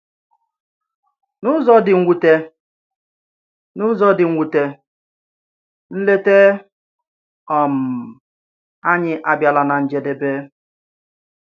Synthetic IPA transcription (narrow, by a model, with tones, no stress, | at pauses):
nʊ˦zɔ˦dɪ˨ŋ̩˦ɡʷu˨te˦ | nʊ˦zɔ˦dɪ˨ŋ̩ʷ˦u˨te˦ | n̩˦le˦te˦ | ɔ˨m̩˨ | a˦ɲɪ˦ʔa˨bja˨la˨na˨n̩˨d͡ʒe˨de˨be˦